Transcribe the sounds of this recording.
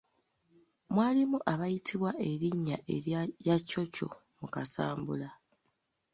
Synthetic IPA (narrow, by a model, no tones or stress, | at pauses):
mwaːlimuʔaβajitʰiβwaʔe̞ɾiɲːaʔeɾjjaco̞co̞̰ | mukasaːmbula